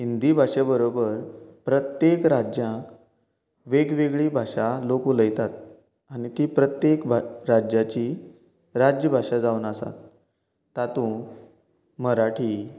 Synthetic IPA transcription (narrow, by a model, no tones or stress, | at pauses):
ɦind̪ibʱaʂabəɾobəɾpɾət̪jekɾad͡ʑjãk | ʋeɡʋeɡɭiːbʱaʂalokuləjt̪at̪̚ | aɽ̃it̪iːpɾət̪jekbʱɾad͡ʑjat͡ɕi | ɾad͡ʑjəbʱaʂad͡zawnasa̰t̪ː | at̪ũ | məɾaʈʰiː